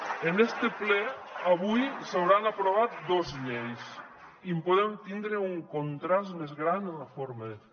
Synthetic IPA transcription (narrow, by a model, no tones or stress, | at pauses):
enɛst̪eplɛaβujsawɾanapɾoβ̞at̪̚d̪ozɲejs | impoðɛmt̪ind̪ɾeuŋkont̪ɾasmezɣɾanafoɾmað